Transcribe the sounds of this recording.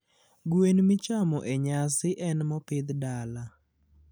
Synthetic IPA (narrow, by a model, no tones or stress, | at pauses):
ɡwenmɪt͡ʃamɔʔeɲasɪʔɛnmɔpɪd̪dala